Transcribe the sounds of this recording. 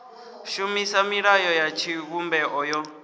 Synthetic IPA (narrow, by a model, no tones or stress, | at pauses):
ʃumisamiɺajɔjat͡ʃʰiɣumbɛʔɔjɔ